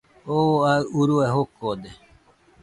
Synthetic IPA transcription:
oauɾueɦokod̪e

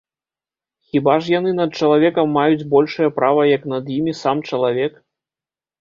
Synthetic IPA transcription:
xʲibaʐjan̪ɨnɐt̪̚t͡ʂɐlˠavʲɛkɐmːajud͡zʲbɔlʲʂɐjɐpɾavɐjɐknɐd̪jimʲisamt͡ʂɐlˠavʲɛk

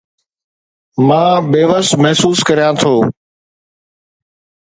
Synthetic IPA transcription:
mãːbeːʋəsmɛɦsuːskəɾijãːt̪ʰoː

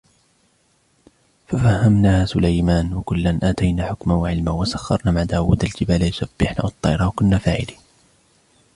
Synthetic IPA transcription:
fafahːamnaːsʊlajmaːnwakʊlːanʔaːt̪ajnaːħʊkmawaʕɪlmawasaxːɑ̰ɾˤnaːmaʕd̪aːwuːd̪ald͡ʒɪbaːlajʊsab̥ːɪħna̰wɑt̪ˤːɑːɾˤɑːwakʊnːaːfaːʕɪliː

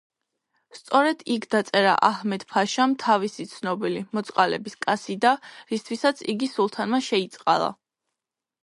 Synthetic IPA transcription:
st̪sʼɔɾɛd̪̥ikʰd̪at̪sʼɛɾa̰ʔahmɛd̪̥pʰaʃamt̪ʰavisit̪sʰnɔbilimɔt̪sʼqʼalɛ̰biskʼasid̪aɾist̪ʰwisat̪sʰiɡisulˠt̪ʰanmaʃɛit̪sʼqʼa̰lˠa̰

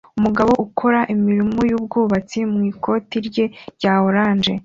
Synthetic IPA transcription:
umuɡaβo̞ʔukʰo̞ɾaʔimiɾimujuːb̚ɡuːβat͡simŋiːkʰo̞ːtiɾɟe̞ɟaːhoɾaːnd͡ʒe̞

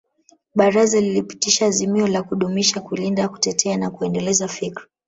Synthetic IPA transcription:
ɓaɾazalilipi̥tiʃaːzimiɔlakuɗumiʃakulindaku̥tɛtʰɛanakuɛndɛlɛzafikɾa

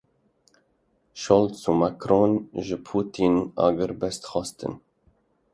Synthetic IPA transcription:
ʃold̪sumakɾonʒɨpʰuːt̪ʰinɑ̰ːɡɨɾbɛst̪xɑst̪ɨ̰n

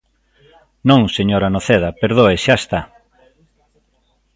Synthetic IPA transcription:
nõŋseɲoɾanoθeðɐpeɾðoeʃaest̪a

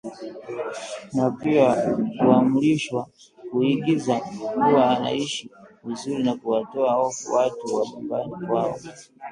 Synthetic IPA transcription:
napiakuamuliʃwa | kuhiɡizaɡuwaːna̰iʃivizuɾinakuwatɔaɔwatuwaɲumbanikwaɔ

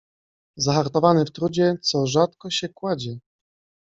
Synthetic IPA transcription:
zaxaɾt̪ɔvanɘft̪ɾud͡ʑɛt̪sɔʐat̪kɔɕɛkwad͡ʑɛ

